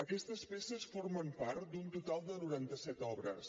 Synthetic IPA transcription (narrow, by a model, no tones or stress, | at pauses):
əkɛst̪əspesəsfoɾməmpaɾt̪d̪unt̪ut̪alˠd̪ənuɾant̪əsɛt̪ɔβɾə̰s